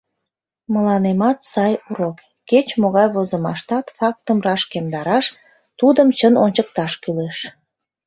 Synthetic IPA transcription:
məlɑnemɑt̪sɑjuɾokːet͡ɕmoɣɑjβozəmɑʃt̪ɑt̪fɑk̚t̪əmrɑʃkemd̪ɑɾɑʃ | t̪ud̪əmt͡ɕənonʲt͡ɕək̚t̪ɑʃkyleʃ

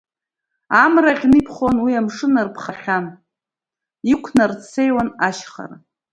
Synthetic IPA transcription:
amraχʲnipʰχonwiamʂɨnarpʰχaχχʲan | ikʷʰnart͡sʰejwanaʃχa̰ra

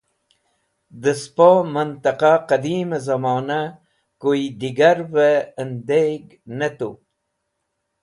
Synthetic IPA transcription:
d̪əspomənt̪aqaqad̪iːmazamɑːna | koid̪iɡaɾvəənd̪eɡ | nat̪u

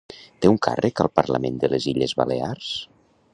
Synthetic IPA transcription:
t̪euŋkʰa̰rʔəkəlˠpəɾlə̰mend̪əleziʎəzβalears

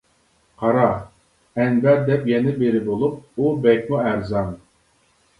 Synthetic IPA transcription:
qʰɑɾɑ | ɛnbɛɾd̪ɛpjɛnɪbeɾɪbolˠup̚ubɛk̚ʲmuæɾzɑn

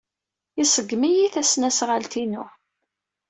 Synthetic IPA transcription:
isəɡːmijiθæsnæsʁəlt̪inʊ

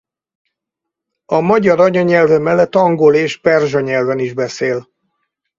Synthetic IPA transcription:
ɒmɒɟɒɾɒɲɒɲɛlvɛmɛlːɛt̪ːɒŋɡoleːʃpɛrʒɒɲɛlvɛniʒbɛseːl

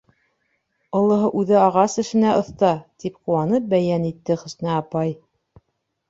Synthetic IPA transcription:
ŏlˠɤ̆ɦɤʔʉðɘɑʁɑsɘ̆ʃɘ̆næʔŏθt̪ɑt̪ipquwɑnɤp̚bæjænit̪ːɘχɵ̆snæɑpɑj

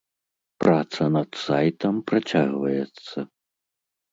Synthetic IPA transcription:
pɾat̪sɐnɐt̪sajt̪ɐmpɾat͡sʲaɣvɐjɛt̪sːɐ

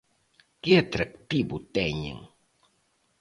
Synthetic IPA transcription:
kɪat̪ɾak̚t̪ibʊt̪ɛɲḛŋ

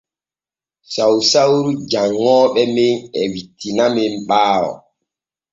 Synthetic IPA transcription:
sawsawɾud͡ʒaŋːɔːɓɛmenɛwitːinamemɓaːwɔ̰

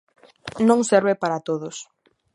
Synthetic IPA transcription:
nõŋsɛɾβepaɾat̪oðʊs

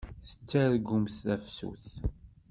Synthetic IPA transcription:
θə̥t͡sːæɾɡʊmθθæfsṵθ

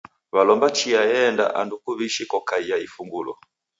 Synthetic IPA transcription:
βalɔmbat͡ʃiajɛnda̰ʔa̰ndukuβiʃikɔkaijaifuŋɡulɔ̰

